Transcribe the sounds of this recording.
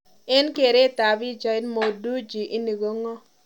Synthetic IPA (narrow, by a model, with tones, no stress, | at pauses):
ɛ˦nke˨ɾe˦˨ta˨bɪ˦d͡ʒɔ˨ɪ˦tmo˨du˦d͡ʒi˨ʔi˦ni˨ɡo˦ŋɔ˦